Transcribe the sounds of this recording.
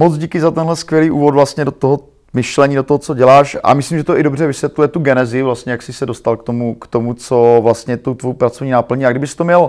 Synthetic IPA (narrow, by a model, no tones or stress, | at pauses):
mot͡sɟikɪzat̪ɛnɦlɛskvjɛliːʔṵːvot̪vlast̪ɲɛdot̪oɦo | mɪʃlɛɲiːdo̞t̪oɦot͡so̞ɟɛlaːʃa̰mɪslimʒɛt̪oʔɪdo̞br̝ɛvɪsvjɛt̪lujɛt̪uɡɛnɛzɪvlast̪ɲɛjaksɪsɛdo̞st̪alk̚t̪o̞mukt̪o̞mut͡so̞vlast̪ɲɛt̪ut̪vojwpɾat͡sovɲiːnapl̩ɲiaɡdɪbɪst̪omɲɛl